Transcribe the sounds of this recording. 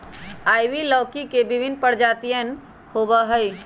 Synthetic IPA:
aːjʋiləːkikebɪbʱɪnpəɾd͡ʒaːt̪ijən | hoːbəɦəi

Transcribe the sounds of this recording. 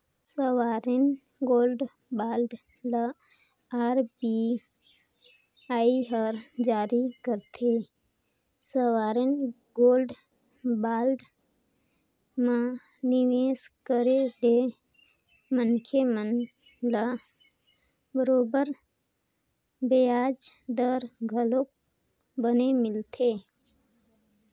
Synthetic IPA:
səwaːɾɪn | ɡoːlɖ | baːlɖ | la | aːɾbi | aːiɦəɾd͡ʒaːɾikəɾt̪ʰeː | səwaːɾɪn | ɡoːlɖ | baːlɖ | mã | nɪʋeːskəɾeɖe | mənkʰemən | la | bəɾoːbəɾ | bejaːd͡ʒd̪əɾɡʱəlok̚ | bənemɪlt̪ʰeː

